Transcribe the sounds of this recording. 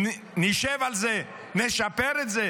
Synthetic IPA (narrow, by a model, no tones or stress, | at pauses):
niʃɛvalzɛ | nɛʃapɛɾezɛ